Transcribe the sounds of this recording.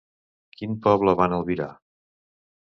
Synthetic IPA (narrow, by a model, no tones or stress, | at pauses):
kinpɔβləβanəlˠβiɾa̰